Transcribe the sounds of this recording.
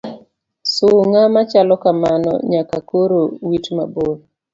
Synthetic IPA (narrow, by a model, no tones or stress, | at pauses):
sʊŋamat͡ʃalɔkamanɔ̰ɲakakoɾowitmabol